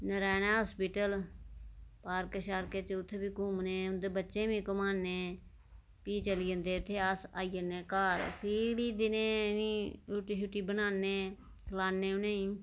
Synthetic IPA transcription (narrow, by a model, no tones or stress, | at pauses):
nəɾaːnaːɦoːspɪʈəl | paːɾkəʃaːɾkeːt͡ʃʊt̪ʰːeːbiːkuːmneːʊnd̪eːbətːʃẽːbĩːkəmaːnːeː | piːt͡ʃəlijə̃nd̪eːʊt̪ʰːeːəsa̰ːiːəneːkaːɾpʰiːɽiːd̪ɪnẽːniːuːʈiːʃuʈːiːbənaːnːeː | kʰlaːnːeːʊnẽːĩː